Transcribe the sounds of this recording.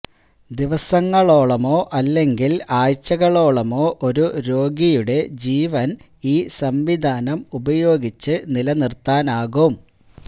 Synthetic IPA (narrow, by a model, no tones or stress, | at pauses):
d̪iʋɐsɐŋːɐɭo̞ːɭɐmo̞ːʔɐlːe̞ŋɡilaːjt͡ɕːɐɣɐɭo̞ːɭɐmo̞ːʔoɾuɾo̞ːɡijuɽe̞d͡ʑiːʋɐn | iːsɐmʋid̪ʱaːnɐmubɐjo̞ːɡit͡ɕːɨnilɐnirt̪aːnaːɣɐm